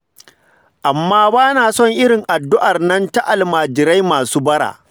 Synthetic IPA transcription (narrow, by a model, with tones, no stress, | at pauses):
ʔa˨mːaː˦baː˦naː˨sɔ˦ŋʔɪ˦ɾɪ˨ŋʔa˨dːʊ˦ʔa˨rnɐ˦nta˦ʔa˨lmaː˨d͡ʒɪ˨ɾa˦jmaː˨suː˦bɐ˦ɽa̰ː˨